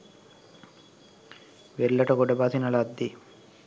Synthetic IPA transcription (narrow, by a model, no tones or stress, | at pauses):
ʋeɭːɐʈɐɡoɖːɐbaːsinɐlaːd̪ːi